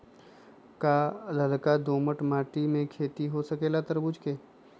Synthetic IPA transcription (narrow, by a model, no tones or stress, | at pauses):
kalɐlkad̪oːməʈmaːʈimẽkʰeːt̪iɦosɐkeːlat̪əɾbʊd͡ʒkeː